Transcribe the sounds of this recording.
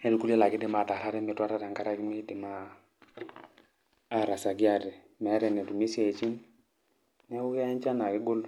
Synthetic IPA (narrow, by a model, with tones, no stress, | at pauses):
nɛ˦lu˨ku˦la˦la˨ɡɪ˦dɪ˦˨ma˨ta˨la˦ɾɛ˦mɛ˨twa˦ɾa˦ɾa˨ŋɡa˦ɾa˦ki˦mi˦di˨ma˨ | ɾa˨sa˨ɡi˦a˨ɾɛ˨ | mɛ˨a˦ɾɛ˨nɛ˨tu˨mi˦sa˦˨t͡ʃi˦n | nɛ˦u˦ke˦a˦nt͡ʃa˦na˨kɪ˦ɡo˦l